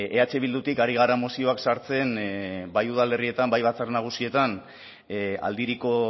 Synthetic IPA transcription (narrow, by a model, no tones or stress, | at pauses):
e̞at͡ʃe̞βild̪ut̪ikaɾiɣ̞aramosio̞aksaɾt͡se̞nbajuðale̞rie̞t̪ambajβat͡sarnaɣ̞usie̞t̪an | a̰ld̪iɾiko̞